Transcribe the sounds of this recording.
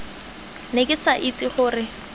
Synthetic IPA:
nekʼɪsaʔit͡sʼiχʊːrɪ

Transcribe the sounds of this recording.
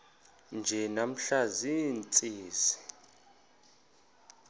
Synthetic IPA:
nd͡ʒʱɛnam̩ɬazint͡sʼiːsi̥

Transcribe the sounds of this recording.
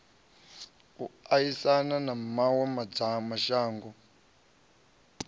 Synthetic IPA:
uajisananamawɛmad͡zamaʃaːŋɡɔ

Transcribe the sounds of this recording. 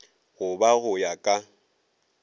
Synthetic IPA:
ɣʊbaɣʊjakʼa

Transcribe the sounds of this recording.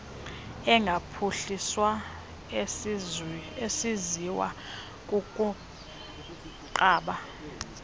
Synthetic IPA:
ɛŋɡʱapʰuɬiswa | esiziwa̰ | kʼukʼu | ǃaːɓa

